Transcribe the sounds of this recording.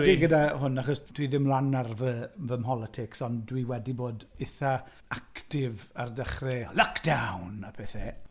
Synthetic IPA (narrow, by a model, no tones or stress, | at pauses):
eɡədahʊnaχɔsd̥wiðɪmlˠanarvəvəmɦɔlˠətʰɪksɔndwiwɛdiboːdɪθa | aktɪvardəχrɛləkʰd̥awnapʰɛθɛ